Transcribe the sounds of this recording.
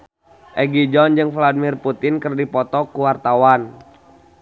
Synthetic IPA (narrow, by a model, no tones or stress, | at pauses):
ʔɛɡid͡ʒɔnd͡ʒɨŋfladimirput̪ɪnkərdipɔt̪ɔkuwart̪awan